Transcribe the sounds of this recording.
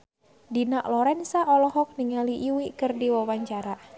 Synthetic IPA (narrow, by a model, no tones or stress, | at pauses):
dinaʔlɔɾɛnsaʔɔlɔɦɔk̚niŋaliʔːwikɨrdiwawaɲt͡ʃaɾa